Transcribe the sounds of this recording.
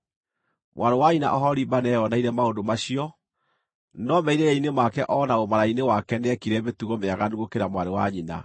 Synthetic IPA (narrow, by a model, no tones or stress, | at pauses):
mwʔaɾowaɲina̰ʔɔɦɔɾibanɛjɔnaiɾɛmaondomaɕiɔ | nɔmɛiɾejainemakɛʔɔnaomaɾainewakɛnɛkiɾɛβetuɣomeaɣanduɣokeɾamwaɾewaɲina̰